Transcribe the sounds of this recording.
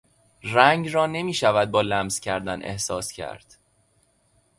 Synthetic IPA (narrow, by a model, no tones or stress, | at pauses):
ræŋɡrɒːne̞miːʃævæd̪̚bɒːlæmz̥cʰæɾd̪ænʔḛhsɒːscʰæ̰ɾd̪̥